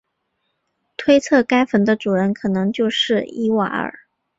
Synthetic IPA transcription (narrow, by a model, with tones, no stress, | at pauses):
t̪ʰwe˥ɪt͡sʰɤ˥˩ka˥ɪfə˧˥nd̪ə˧ʈ͡ʂu˨˩ɻə˥nkʰɤ˨˩nɤ˧˥ŋt͡ɕjo˥˧ʊʂɻ̩˥˩i˥wa̰˧˥ə̰˨˩˦